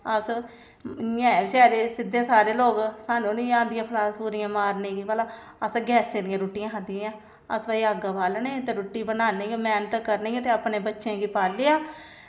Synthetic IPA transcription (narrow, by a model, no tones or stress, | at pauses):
əs | jãːt͡ʃɛːɾeːsɪd̪ẽːsaːɾeːloːɡsaːnũːniːãːnd̪ɪjãːpʰlaːspuːɾɪjãːmaːɾnẽːɡiʋaːlaː | əsɡɛːsẽːd̪ɪjãːɾoːʈːɪjãːɦəd̪ɪjããː | ə̰sʋaːiaːɡapaːlneːt̪eːɾoːʈːiːbənaːneːɡoːmɛːnət̪kəɾneːt̪eːapneːbətːʃẽːɡiːpaːlɪjaː